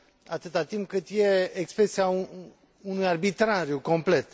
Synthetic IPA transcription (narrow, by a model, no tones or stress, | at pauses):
at̪ɨt̪at̪imp̚kɨt̪je̞ekspɾesiau | unujarbit̪ɾaɾjuko̞mple̞t̪